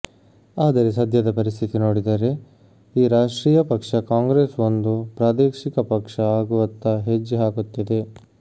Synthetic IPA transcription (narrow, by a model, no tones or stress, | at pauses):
aːd̪ɐɾesɐd̪ʱjɐd̪ɐpɐɾist̪ʰit̪inoːɽid̪ɐɾe̞ | iːɾaːʂʈɾiːjɐpɐkʂɐkaːŋɡɾeːsond̪upɾaːd̪eːkʂikɐpɐkʂɐaːɡuʋɐnt̪ɐɦed͡ʒːɦaːɡut̪ːid̪e̞